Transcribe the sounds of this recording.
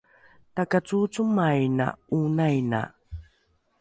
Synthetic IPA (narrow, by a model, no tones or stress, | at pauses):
takat͡sut͡sumajna̰unajna̰